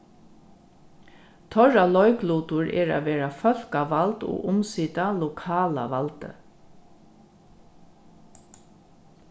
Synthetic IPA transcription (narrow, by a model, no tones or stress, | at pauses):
t̪ʰœɹalɔʏkluːt̪ʊɹʔɛ̰ːɹa̰ːʋeːɹafœl̥kaʋalt̪ɔ̰ːʊmsiːt̪alʊkʰaːla̰ʋalt̪ə̰